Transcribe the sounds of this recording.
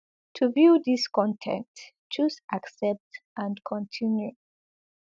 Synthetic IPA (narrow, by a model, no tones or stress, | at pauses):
tʰuvjudiskɔ̃ntʰɛ̰̃nt | t͡ʃusʔaksɛp̚tʔãnkʰɔ̃ntʰĩnju